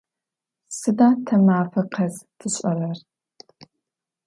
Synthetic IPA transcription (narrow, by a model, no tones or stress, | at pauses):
sɨdaːtʰɐmaːfɐqʰɐztʰɨɕʼɐrɐr